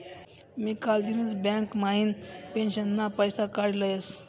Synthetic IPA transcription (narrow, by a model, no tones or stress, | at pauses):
miːkald̪inət͡sbãŋkmaɦinpenɕənːapəjsakaɽləjəs